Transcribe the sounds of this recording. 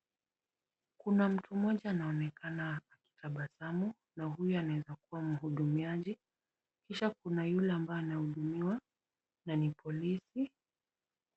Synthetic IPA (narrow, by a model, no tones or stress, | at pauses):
kunam̩tʰumɔʄaːnaɔnɛkanaːki̥tʰaɓasamu | naɦujuanawɛzakuwam̩ɦuɗumiaʄi | kiʃakunajulɛambajɔanahuɗumiwa | nanipʰɔlisi